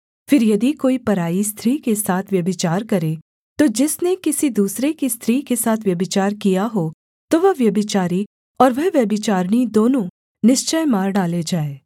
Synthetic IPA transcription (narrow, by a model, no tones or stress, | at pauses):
fɪɾjɐd̪ikoːipɐɾaːist̪ʰɾiːkesaːt̪ʰʋjɐbɪt͡ʃaːɾkɐɾe | t̪od͡ʒɪsnekɪsid̪uːsɾekist̪ʰɾiːkesaːt̪ʰʋjɐbɪt͡ʃaːɾkijaɦoː | t̪oʋɐɦʋjɐbɪt͡ʃaːɾi | ɔːɾʋɐɦʋjɐbɪt͡ʃaːɾnid̪oːnõ | nɪʃt͡ʃəjmaːɾɖaːled͡ʒaːeː